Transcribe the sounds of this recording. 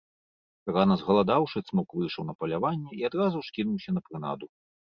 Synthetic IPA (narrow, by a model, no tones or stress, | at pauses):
ranɐzɣɐlˠad̪awʂɨt̪smɔkvɨjʂɐwnɐpɐlʲavanʲːɛiad̪ɾazuwʂkʲinuwsʲɐnɐpɾɨna̰d̪u